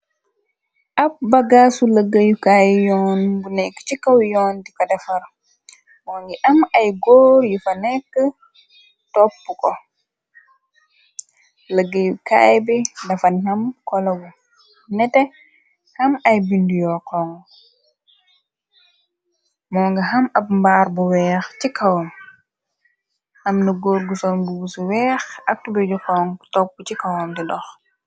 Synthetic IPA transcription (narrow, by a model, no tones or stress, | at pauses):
ʔapbaɡasuləɡajukajjɔnbunɛkːt͡ʃikːawjɔːndikadafaɾ | mɔŋɡiʔamajɡoːɾjufanɛkːə | tɔpːukɔ | ləɡajuka̰jbɛdafanhamkɔlɐɡu | nɛtɛ | hɐmɐjbindujɔkɔŋ | mɔːŋɡɐɦɐmɐp̚mbaːɾbuwɛːxcikɐwɔm | ʔɐmnəɡoːɾɡusɔnɡuwusuwɛːxɐk̚tubɛd͡ʒɔkɔːŋtɔpːut͡ʃikɐwɔmdidɔx